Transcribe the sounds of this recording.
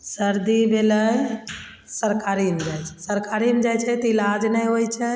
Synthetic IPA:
səɾd̪ibelə | səɾkaɾimd͡ʒaːjt͡ʃʰɛsəɾkaɾimd͡ʒajt͡ʃʰət̪əɪlad͡ʒnaĩɦoit͡ʃʰə

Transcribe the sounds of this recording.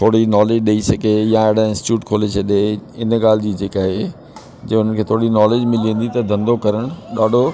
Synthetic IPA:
t̪ʰoːɽinɔːleːd͡ʑɗeisɐɡejãeɽaɪ̃nsʈɪ̥t͡ɕjuːʈkʰoːlet͡ɕʰɐɗeɪnɡaːl̤ɪd͡ʑiːd͡ʑeːkaːɦe | d͡ʑeʊn̤ənkʰeːt̪ʰoːɽinɔːleːd͡ʑmɪliẽn̆d̪it̪ɐd̪ʱɐ̃nd̪okɐɾəɽ̃ɗaːɖʱo

